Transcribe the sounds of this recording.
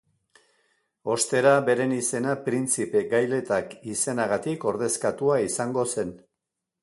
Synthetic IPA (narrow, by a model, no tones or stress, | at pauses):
o̞st̪e̞ɾabe̞ɾe̞nise̞napɾint͡sipe̞ɡajle̞t̪akise̞naɣat̪iko̞ɾðe̞skat̪uaisaŋɡo̞se̞n